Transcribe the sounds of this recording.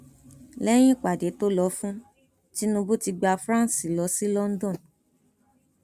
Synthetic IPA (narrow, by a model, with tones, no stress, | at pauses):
lɛ˦j̃ĩ˦˨k͡pa˨de˨˦to˦lɔ˧fũ˦ | ti˦nũ˧bu˦ti˧ɡ͡ba˧fɾã˦˨si˨lɔ˧˦si˦lɔ˦n̩˦dɔ̃˦˨n